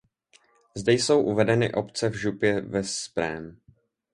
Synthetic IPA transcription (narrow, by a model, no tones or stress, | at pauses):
zdɛjso̞wʔuvɛdɛnɪ̰ʔo̞pt͡sɛvʒupjɛvɛspɾɛ̰ːm